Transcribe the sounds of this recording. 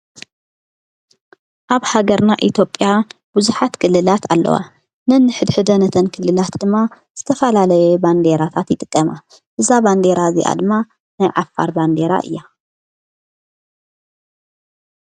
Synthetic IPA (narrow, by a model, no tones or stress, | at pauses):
ʔaβhaɡɐɾnaʔit̪ʰjopʼːjabuzuħat̪kʰɨlːɨlat̪ʰalːɐ̰wa̰ | nɨnːɨħɨd̪ħɨd̪ɐnɐt̪ʰɐnkʰɨlːɨlat̪d̪ɨmːa | z̥ɨt̪ʰɐfɐlalɐjuband̪e̞ɾat̪ʰat̪jɪt̪ʼɨkʼːɐma | ʔɨzaband̪e̞ɾazḭʔa̰d̪ɨmːa | najʕafːa̰ɾband̪e̞ɾa̰ʔɨ̰jːa